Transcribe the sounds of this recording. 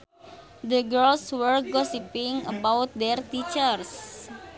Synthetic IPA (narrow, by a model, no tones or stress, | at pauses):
d̪əɡəlswərɡɔsipiŋəbawt̪̚d̪ɛrt̪it͡ʃərs